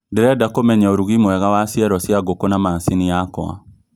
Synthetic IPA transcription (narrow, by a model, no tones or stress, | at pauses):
ndeɾɛdakomɛɲaoɾuɣimwɛɣawasiɛɾɔsjaɡokonamaːnsiniakɔ̰a̰